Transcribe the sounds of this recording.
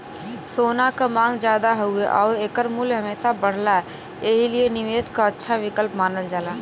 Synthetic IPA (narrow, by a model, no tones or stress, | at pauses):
soːnakamãːŋɡd͡ʒjaːd̪aɦueʔɔːɾeːkəɾmuːlɦɐmeːsabəɽ̤laɛ | eɦilienɪʋeːskaətːʃʰaʋɪkəlpmaːnəld͡ʒaːlaː